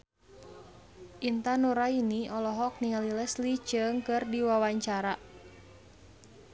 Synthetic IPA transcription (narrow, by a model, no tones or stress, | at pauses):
ʔint̪anuɾainiɔlɔɦɔk̚niŋalilɛslit͡ʃɨŋkɨrdiwawaɲt͡ʃaɾa